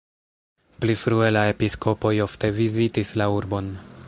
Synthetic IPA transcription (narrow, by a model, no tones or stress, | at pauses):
plifɾue̞lae̞pisko̞po̞jo̞fte̞vizitislauɾbo̞n